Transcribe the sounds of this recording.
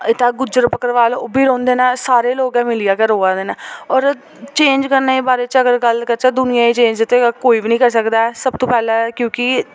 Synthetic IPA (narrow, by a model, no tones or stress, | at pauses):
ɪt̪ːãːɡʊd͡ʒəɾəpəkəɾʋaːlobiːɾõːnd̪eːnaːsaːɾeːloːɡɛ̃ːmɪlijaːkəɾoːãːd̪eːnãːɔːɾ | t͡ʃẽːɲd͡ʒkəɾneːbaːɾeːt͡ʃəɡəɾɡəlkəɾt͡ʃaːd̪ʊnɪjãːiːt͡ʃẽːɲd͡ʒd̪ɪt̪ːeːkoːiːbiːnĩːkəɾsəkd̪aːɛsəb̚t̪õːpɛːlɛ̃kjõːkɪ